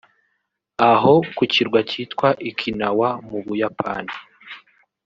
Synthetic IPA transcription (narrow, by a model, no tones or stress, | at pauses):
aɦo̞kuciɾɡwaciːtkwaʔikʰinawamuβujapʰa̰ːni